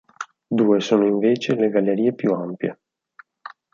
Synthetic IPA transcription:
d̪uːesoːnoiɱveːt͡ʃeleɡalːeɾiːepjuampjḛ

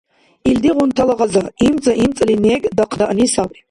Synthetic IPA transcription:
ild̪iʁʊntʰalaʁazaimt͡sʼaʔimt͡sʼlineɡʲʼdaqʰd̪aʔnisabʼri

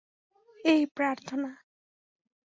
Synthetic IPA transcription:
ejpɾaɾt̪ʰɔna

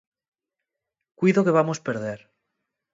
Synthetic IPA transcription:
kwiðoke̞β̞amospeɾðeɾ

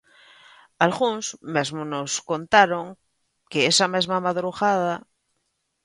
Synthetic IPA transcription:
alɣunsmezmonoskont̪aɾoŋ | keesamezmamaðɾuɣað̞a

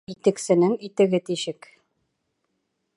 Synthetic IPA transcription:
it̪ɘ̆ksɘ̆nɘŋit̪ɘ̆ɡɘt̪iʃɘk

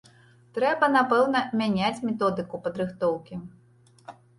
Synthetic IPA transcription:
t̪ɾɛbɐnapɛwnɐmʲanʲat͡sʲmʲɛt̪ɔd̪ɨkupɐd̪ɾɨxt̪ɔwkʲi

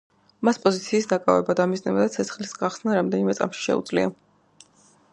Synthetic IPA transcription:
maspʼɔzit̪sʰiːsd̪akʼa̰vɛ̰bad̪amiznɛmɛd̪at̪sʰɛt̪sʰχlisɡaχsnaɾamd̪ɛnimɛt̪ʼa̰mʃi̥ʃɛ̰ṵd̪zlḭa̰

